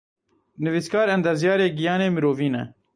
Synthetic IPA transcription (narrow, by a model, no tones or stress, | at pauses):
nɨviskɑːɾɛnd̪ɐɾzjɑːɾeːɡijɑːneːmiɾoːviːnɛ̰